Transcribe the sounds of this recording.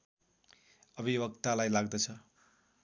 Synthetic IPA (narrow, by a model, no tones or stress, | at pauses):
ʌbʱibʌkt̪alajlaɡ̚d̪ʌt͡sʰʌ